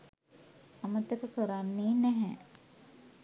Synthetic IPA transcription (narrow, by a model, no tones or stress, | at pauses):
ɐmət̪jɐkəkəɾanːiːnɛɦɛ̰̃